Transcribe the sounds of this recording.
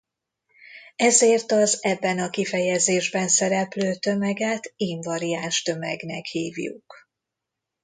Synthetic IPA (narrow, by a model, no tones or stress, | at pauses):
ɛzeːrt̪ɒzɛbːɛnɒkifɛjɛzeːʒbɛnsɛɾɛpløːt̪ø̞mɛɡɛt̪iɱvɒɾiaːnʃt̪ø̞mɛɡnɛkhiːvjṵk